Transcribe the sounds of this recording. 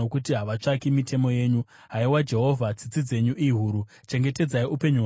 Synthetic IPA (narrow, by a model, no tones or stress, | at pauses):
okutiɦaʋat͡ʂakimitʰe̞mo̞je̞ːɲu | ɦaiwad͡ʒe̞ɦo̞vʱad͡zid͡zid͡ze̞ɲuʔiɦuːɾu | t͡ʃe̞ŋɡe̞te̞d͡zaiupe̞ɲu